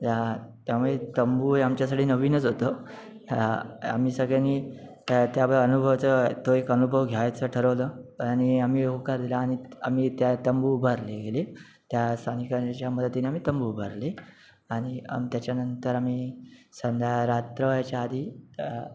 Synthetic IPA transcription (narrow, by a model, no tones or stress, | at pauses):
t̪jat̪jamuet̪əmbuːeamt͡ɕjasaʈʰiːnəʋiːnət͡sɦot̪o | a̰miːsəɡɭjani | t̪jabəənubʱəʋt͡sət̪oekənubʱəʋɡʱjajt͡səʈʰəɾəʋləɽ̃iamiːokaɾd̪ilaːɽ̃iamiːt̪jat̪əmbubʱəɾleɡele | t̪jast̪ʰanikat͡ɕjaməd̪ʱət̪ːiniamiːt̪əmbubʱəɾle | aɽ̃ia̰mt̪jat͡ɕanənt̪əɾamisənd̪ʱaɾat̪ɾəʋjat͡ɕjaːd̪ʱiː